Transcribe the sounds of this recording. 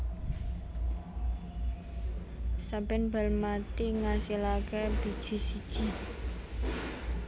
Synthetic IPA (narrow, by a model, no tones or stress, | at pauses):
sabɛnbə̤lmat̪iŋasilakeb̥i̤̥d͡ʒ̥i̤sid̥ʒ̥i̤